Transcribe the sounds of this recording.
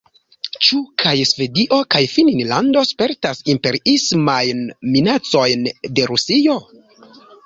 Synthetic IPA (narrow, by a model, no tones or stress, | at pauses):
t͡ʃukʰajsve̞diʔo̞kajfininlando̞spe̞ɾtasimpe̞ɾiismajnminat͡so̞jnde̞ɾusio̞